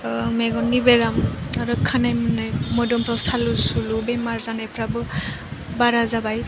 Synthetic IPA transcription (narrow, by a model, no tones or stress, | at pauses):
meɡɔnːibeɾamɾɔkʰːanajmɯnajmɔjdɔmpʰɾawsalusulubemaɹzanɛpʰɾabɯ | baɾazabaj